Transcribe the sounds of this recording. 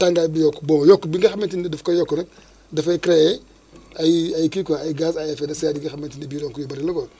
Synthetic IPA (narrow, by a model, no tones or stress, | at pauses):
taŋɡabijokːbomjokːbiŋɡaxamentindidəfkajokːnak | dəfakɾeje | ajiajikikaajiɡasajefedesaadiŋɡiametindibiɾokujibaɾiloɡo